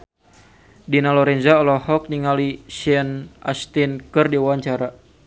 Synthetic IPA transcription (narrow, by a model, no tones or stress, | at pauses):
dinalɔɾɛnzaɔlɔhɔk̚niŋalisɛnʔa̰st̪inkɨrdiwaɲt͡ʃaɾa